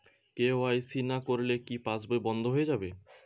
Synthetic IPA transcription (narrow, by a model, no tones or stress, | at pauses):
keoajsinakoɾlekipãsbajbɔnd̪ʱoɦojed͡ʑabe